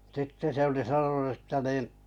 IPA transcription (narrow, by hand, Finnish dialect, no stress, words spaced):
sitːe se oli sɑnonu ə̆tːæ niˑn